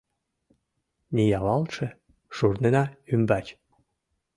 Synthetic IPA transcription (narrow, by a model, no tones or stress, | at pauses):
nʲijɑlɑlt̪ʃĕ | ʃurnenɑymbɑt͡ɕ